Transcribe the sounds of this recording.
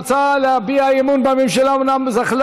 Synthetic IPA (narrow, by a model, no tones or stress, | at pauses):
t͡saleabiaimunbamimʃelamnamzaχl